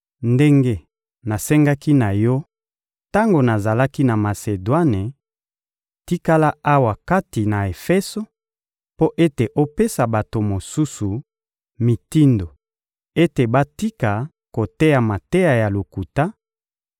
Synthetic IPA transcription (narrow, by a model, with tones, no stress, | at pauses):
nde˦ŋɡe˦ | na˨sɛ˦ŋɡa˦ki˦na˨jɔ˦ | ta˦ŋɡo˨na˨za˨la˦ki˦na˨ma˨se˨dwa˦ne˨ | ti˦ka˦la˦a˦wa˨ka˦ti˨na˨e˨fɛ˦so˦ | po˦ʔe˦te˨ʔo˦pe˦sa˨ba˨to˨mo˨su˦su˨ | mi˨ti˦ndo˨ | e˦te˨ba˦ti˦ka˨ | ko˨te˦ja˨ma˨te˦ja˨ja˨lo˨ku˨ta˦